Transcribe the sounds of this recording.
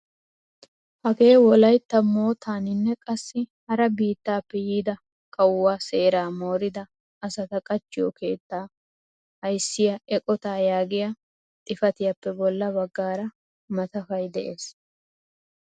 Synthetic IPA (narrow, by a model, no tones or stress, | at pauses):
hɐɡe̞ːwɔlɐjt̪ːɐmo̞ːt̪ʰaːnɪnːɛkʼɐsːɪhɐɾɐbiːt̪ːaːpːɛjiːd̪ɐ | kʼɐwwaːse̞ːɾaːmo̞ːɾɪd̪ɐː | sɐt̪ɐkʼɐt͡ʃːɪjokʰe̞ːt̪ːaː | hɐjsːɪjɐʔɛkʼɔt̪aːjaːɡɪjɐ | t̪ʼɪfɐt̪ɪjɐpːɛbɔlːɐbɐɡːaːɾɐ | mɐt̪ɐfɐjd̪ɛʔeːs